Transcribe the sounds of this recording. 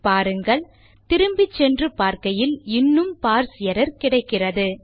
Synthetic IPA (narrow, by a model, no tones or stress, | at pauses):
paːɾɯŋɡɐɭ | t̪ɪɾɯmbɪt͡ʃːɛndrɯpaːɾkɐjɪlɪnːɯmpaːɾsɪjɐɾɐɾkɪɽɐɪkːɪrɐðɯ